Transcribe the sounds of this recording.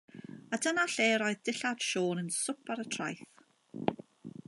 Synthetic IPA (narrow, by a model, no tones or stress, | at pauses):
adənaɬeːɾɔɨðd̥ɪɬad̥ʃoːnənsʊpʰaɾətʰra̰jθ